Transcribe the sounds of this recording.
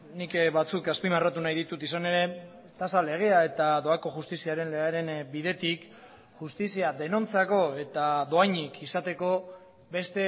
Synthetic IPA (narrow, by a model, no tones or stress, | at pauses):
nikβat͡sukaspimarat̪unajðit̪ut̪isane̞ɾe̞ | t̪asale̞ɣ̞e̞ae̞t̪aðo̞ako̞ʝust̪isiaɾe̞nle̞aɾe̞nbiðe̞t̪ik | ʝust̪isiaðe̞no̞nt͡sako̞e̞t̪aðo̞aɲikisat̪e̞ko̞ | be̞st̪e̞